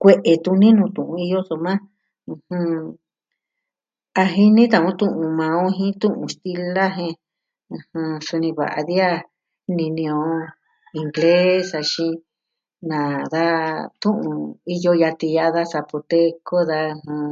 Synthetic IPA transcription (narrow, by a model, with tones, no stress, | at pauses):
kʷe˧ʔe˧t̪ũ˧nĩ˦nũ˧t̪ũ˨ʔũ˧i˧jo˦so˧mã˦ | ũ˧hũ˧ | a˧ɦi˧nĩ˦t̪̬ã˧˨ũ˧t̪ũ˦˧ʔũ˧mã˧õ˦ɦĩ˦t̪ũ˦ʔũ˧st̪i˧la˦ɦẽ˧ | ɨ̃˧hũ˧su˧nĩ˧βa̰˨ʔa̰˧ði˦a˦ | nĩ˧nĩ˧õ˧ | i˧ŋɡle˦sa˧ʃĩ˧ | nã˨ða˦t̪ũ˦ʔũ˧i˦jo˧ja˧t̪i˧ja˦˧ða˦sa˧po˧t̪e˦ko˦ða˧ɦũ˧